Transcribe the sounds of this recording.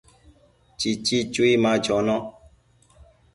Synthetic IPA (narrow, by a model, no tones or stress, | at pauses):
t͡ʃit͡ʃit͡ʃuimãd͡ʒɔnɔ̃